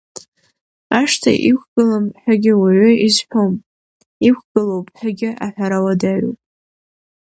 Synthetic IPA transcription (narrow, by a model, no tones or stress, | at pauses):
aʂtʰa̰ʔikʷʰɡ̥ɨlamħʷᶣaɡʲɪwaʕʏizħʷᶣom | ikʷʰɡ̥ɨlowpʼħaɡʲɪʔaħʷᶣaɾawadaɥo̰pʼ